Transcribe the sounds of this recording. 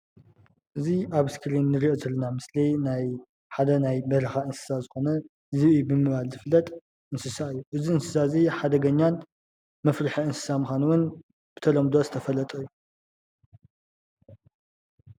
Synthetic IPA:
ʔɨziʔaβskɾinːɨɾiʔozɐlːɐnamɨslinaj | ħad̪ɐnajbɐɾɐxaɨnsɨ̥sazɨxo̞nɐ | zɨjubɨmɨβalzɨflɐt̪ʼ | ʔɨnsɨsaɨjːuʔɨziɨnsɨsaziħad̪ɐɡɐɲːan | mɐfɾɨħiɨnsɨ̥samɨxʷanuwʊn | b̥ɨt̪ʰɐlomd̪o̞zɨt̪ʰɐfɐlɐt̪ʼɐjːu

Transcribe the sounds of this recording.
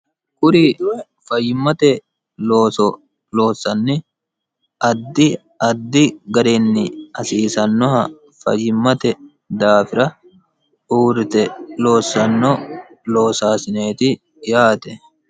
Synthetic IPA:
kʼʊɾiː | fɐjːɪmːɐt̪ɛ | loːsɔ | lo̞ːsːɐnːɪ | ʔɐd̪ːɪ | ɐd̪ːɪɡɐɾenːɪɐsiːsɐnːɔɦɐ | fɐ̰jɪmːɐt̪ɛ | d̪aːfɪɾɐ | uːɾɪt̪ɛloːsɐnːɔ | lo̞ːsaːsɪne̞ːt̪ɪ | jaːt̪ɛ

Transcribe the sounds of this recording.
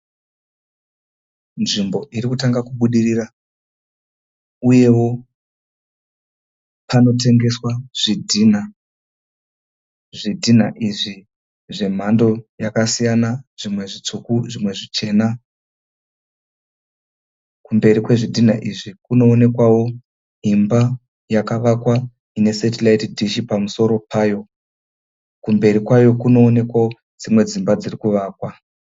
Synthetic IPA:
nʐimbo̞ʔiɾikutaŋɡakuɓuɗirira | uje̞wo̞ | pano̞te̞ŋɡe̞swaʐ̥idʱina | ʐidʱin̤a̰ʔiʐi | ʐe̞m̤ando̞jakasijanaʐ̥imwe̞ʐit͡sukuʐimwe̞ʐit͡ʃe̞ːna | kumbe̞ɾikwe̞ʐidʱin̤aʔiʐikuno̞ːne̞kwawo̞ | imba | jakaʋakwa | ine̞setilaitdʱiʃipamuso̞ɾo̞pʰaːjo̞ | kumbe̞ɾikwajo̞kuno̞ːne̞kwawo | d͡zimwe̞d͡zimbad͡zirikuʋaːkwa

